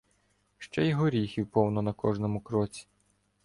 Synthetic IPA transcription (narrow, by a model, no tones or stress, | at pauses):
ʃt͡ʃɛjɔɦɔɾʲixʲiwpɔwnɔnɐkɔʒnɔmʊkɾɔt͡sʲi̥